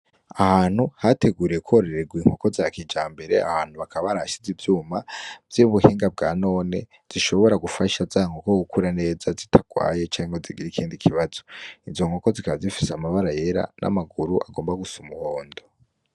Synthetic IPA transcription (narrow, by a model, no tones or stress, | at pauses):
ahaːn̥huhate̞ɡuːɾije̞kwoɾe̞ɾe̞ɡwiːŋ̥ho̞ko̞zakid͡ʒaːmbe̞ɾe̞̰a̰haːn̥huβakaβaɾaʃizivjuːmavjiβuheːŋɡab̚ɡaːno̞ːne̞ | z̥iʃo̞βo̞ɾaɡufaʃazaːŋokoɡukuɾane̞ːzazitʰaɡ̥wa̰ːje̞t͡ʃaːŋɡo̞ziɡiɾikʰiːndikʰiβaz̥o̞izo̞ŋ̥o̞ko̞zikaβazifiseamaβaɾaje̞ɾa̰nʔa̰maɡuɾuʔa̰ɡo̞ːmbaɡusumuhoːndo̞